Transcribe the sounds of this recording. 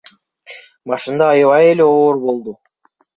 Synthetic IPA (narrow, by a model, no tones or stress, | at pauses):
mɑʃɯnd̪ɑːjɯβɑje̞le̞oːɾbo̞lˠd̪u